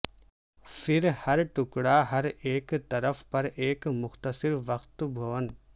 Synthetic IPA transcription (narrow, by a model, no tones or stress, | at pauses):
pʰɪɾhɐɾʈʊkɽaɦɐɾeːkt̪ɐɾəfʰpɐɾeːkmʊxt̪əsɪɾʋɐxt̪bʱoʋən